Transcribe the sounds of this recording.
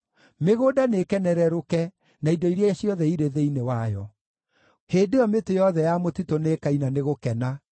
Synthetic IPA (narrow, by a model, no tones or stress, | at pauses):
meɣoːdanekɛnɛɾɛɾokɛ | naidɔiɾjaɕjɔðɛiɾeðeinewajɔ | heːdeɔmetejɔðɛjamotitonekainaneɣokɛna